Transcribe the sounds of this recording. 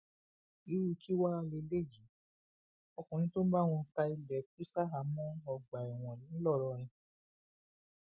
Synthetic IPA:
i˨˦ɾu˧ki˦wa˦a˧le˧le˦˨d͡ʒi˨˦ | ɔ˧kũ˨nĩ˧˦tõ˦ba˦˨w̃ũ˧ta˧i˧lɛ˨˦ki˦sa˦ɦa˨˦mɔ̃˦ɔ˧ɡ͡ba˨ɛ˨w̃ɔ̃˨nĩ˨˦lɔ˦˨ɾɔ˧ɾɛ̃˧

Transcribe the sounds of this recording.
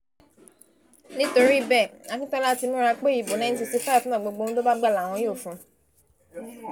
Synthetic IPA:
nĩ˦to˧ɾi˦˨bɛ˦˨a˨˧kĩ˦tɔ̃˦la˦ti˧mũ˦ɾa˧k͡pe˦i˨bo˨nã˨˦n˦ti˧si˦fa˦˨fã˦˨ɡ͡bo˧ɡ͡bo˧˦n̩ũ˦do˦ba˦ɡ͡ba˦˨la˨w̃ɔ̃˧jo˦˨fũ˨˧

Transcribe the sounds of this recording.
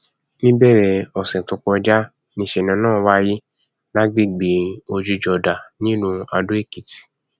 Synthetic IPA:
nĩ˦bɛ˦˨ɾɛ˧ɔ˨sɛ̃˨to˨˧kɔ˧d͡ʒa˦ | nĩ˧˦ʃe˧˨nã˨˧˦nãː˦˨wa˦ji˦ | la˦ɡ͡bi˦˨ɡ͡bi˨o˧d͡ʒu˧d͡ʒɔ˧da˨nĩ˦nũ˧a˧dũ˦e˦˨ki˨ti̥˨

